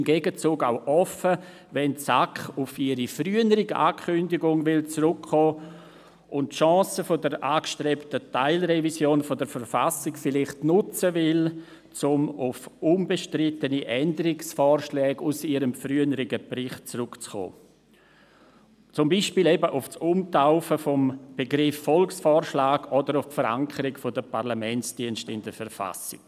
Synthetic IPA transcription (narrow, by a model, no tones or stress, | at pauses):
ɪmɡeːɡət͡suːɡaʊʔɔfə | vɛnsakχʊfɪɾifryənəɾiɡa̰ːkʰʏndɪɡʊŋvɪlt͡sɾʊkʰːɔː | ʔʊnttʃɑ̃ːsəfodəɾʔaːkʃtɾɛptətaɪlɾɛvisjoːnfodəɾfəɾfasɪkfɪlɪχtnʊt͡səvɪl | t͡sʊmʊfʔunbəʃtɾɪtəniʔɛndəɾɪksfɔːɾʃlɛːɡʊsiɾəmfɾyənəɾɪɡəbrɪχt̚t͡sɾʊkt͡sχɔ̰ː | t͡sʊmbiːʃpiːlɛbəʔʊfsumtaʊfəfɔmb̥eɡɾɪfːɔlksfɔːɾʃlaːɡɔdəɾʊffəɾa̰ŋkʰəɾɪkfodəpaʁlamɛnsd̥iənʃtɪndəɾfəɾfa̰sɪk